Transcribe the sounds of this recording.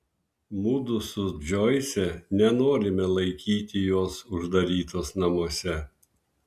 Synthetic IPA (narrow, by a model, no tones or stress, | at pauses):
muːd̪ʊsʊd͡ʒʲoːɪsʲɛnʲɛnoːɾʲɪmʲɛlˠɐɪkʲiːt̪ʲɪjoːsʊʒd̪ɐɾʲiːt̪oːsnɐmoɔsʲɛ